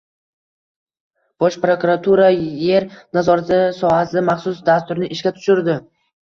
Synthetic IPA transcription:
b̥ɒʃpɾokʊɾat̪ʰuɾaje̞ɾnazɒɾat̪ɪsɒhasɪmaχsʊsd̪ast̪ʊɾnɪʔɪʃkʲat̪ʰʊ̥ʃɪɾd̪ɪ

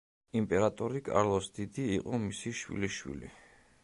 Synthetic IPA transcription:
impʼɛɾat̪ʼɔɾikʼa̰ɾlˠɔsd̪̥id̪iːqʼɔmisiʃwḭliʃwḭlḭ

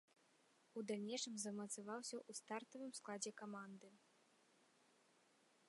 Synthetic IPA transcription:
ud̪alʲnʲejʂɨmzɐmɐt̪sɨvawsʲɐʔust̪art̪ɐvɨmsklˠad͡zʲɛkamand̪ɨ

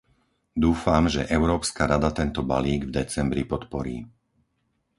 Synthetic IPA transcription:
d̪uːfamʒɛʔɛʊɾɔːpskaɾad̪at̪ɛnt̪ɔba̰liːɡvd̪ɛt͡sɛmbɾipɔt̪pɔɾiː

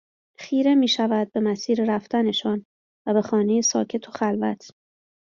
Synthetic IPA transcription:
xiːɾe̞miːʃævæd̪̚be̞mæsiːɾeɾæft̪æne̞ʃɒːn | væbe̞xɒːne̞je̞sɒ̰ːcʰe̞t̪ʰo̞xælvæt̪ʰ

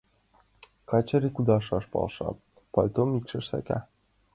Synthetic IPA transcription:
kɑt͡ɕɤ̆ɾikud̪ɑʃɑʃpɑ̰lˠʃɑ̰ | pɑlʲt̪omikʃɘ̆ʃsæ̰kæ

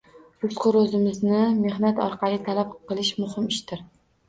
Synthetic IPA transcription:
ʊsqʰʊɾɵzɪmɪznɪme̞hnat̪ɒ̰ɾqʰɑlˠɪt̪ʰalap̚qʰɨlˠɪʃmʊhɪmɪʃt̪ɪɾ

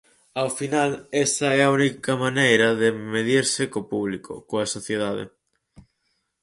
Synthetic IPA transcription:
awfinalest̪ɐɛɐunikɐmanejɾɐðemeðiɾsɪkopuβlikʰo̰koɐsoθjeð̞aðḛ

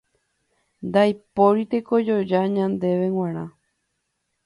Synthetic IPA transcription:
nd̪ajpo̞ɾit̪eko̞d͡ʒo̞d͡ʒaɲãnd̪e̞ʋe̞w̃ãɾ̃ã̰

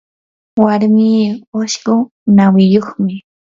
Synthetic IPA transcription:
waɾmiːoʃɢʊ | nawɪjoχmɪ

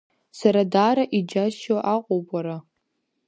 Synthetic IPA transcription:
saɾadaːɾaʔid͡ʒaʃwaʔaqʷʼopʼaɾa

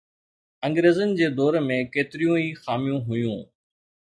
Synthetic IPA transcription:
ɐ̃ŋɡɾeːzənɪ̆d͡ʑeːd̪ɔːɾmẽkeːt̪ɪɾijũiːxaːmijũɦʊjũː

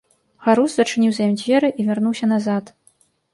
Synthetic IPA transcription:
ɣaɾuzzɐt͡ʂɨnʲiwzajimʲd͡zʲvʲɛɾɨʔivʲarnuwsʲɐnazat̪

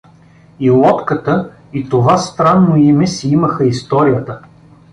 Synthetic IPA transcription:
ilˠɔt̪kət̪ə | it̪ovast̪ɾanːoimɛsiiməxəist̪ɔɾijət̪ə

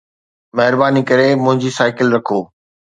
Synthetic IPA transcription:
mɐɦɪɾbaːnikɐɾemʊ̃ɦɪ̃ɲd͡ʑisaːɪkɪlɾɐkʰoː

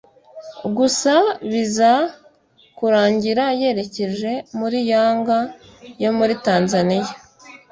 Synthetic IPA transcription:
ɡusaβiza | kuɾaːɲɟiɾaje̞ɾe̞ce̞ʒe̞muɾijaːŋɡa | jo̞muɾitaːnzanija

